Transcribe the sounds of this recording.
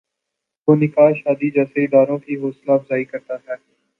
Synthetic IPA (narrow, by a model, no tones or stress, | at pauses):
ʋoːnɪkaːɦʃaːd̪iːd͡ʒɛːseɪd̪aːɾõːkiːɦoːslaːfzaːikəɾt̪aːt̪ʰaː